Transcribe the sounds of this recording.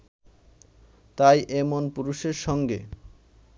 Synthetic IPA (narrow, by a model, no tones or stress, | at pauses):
t̪ajʔemonpuɾuʃeɾʃɔŋɡḛ